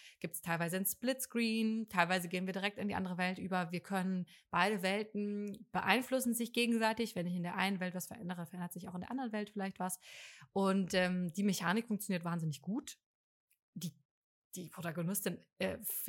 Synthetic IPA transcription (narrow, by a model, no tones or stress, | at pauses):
ɡ̥iːp̚tstʰaɪlvaɪzəɪnsplɪtskʁiːntʰaɪlvaɪzəɡeːnviːɐdiːʁɛk̚tɪndiːʔa̰ndəʁəvɛltʔyːbɐviːɐkʰœnənb̥aɪɾəvɛltn̩b̥əʔa̰ɪnflʊsn̩zɪçɡ̥eːɡŋ̩zɛɐtɪçv̥ɛnɪçɪndeːɐʔa̰ɪnənvɛltv̥asfɛɐʔɛ̰ndəʁəfɛɐʔɛndɐtz̥ɪçaʊxɪndeːɐʔandʁənvɛltfɪlaɪçtv̥asʔʊntʔɛːmd̥iːmeçaːnɪkfʊŋkt͡sjoniːɐtvaːnzɪnɪçɡ̥uːt | d̥iː | d̥iːpʁ̥otaɡonɪstɪnɛːf